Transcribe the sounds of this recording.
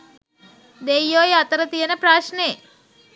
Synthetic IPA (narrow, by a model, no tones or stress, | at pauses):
d̪ejoːjɐt̪ɐɾɐt̪ijɐnɐpɾaːʃneː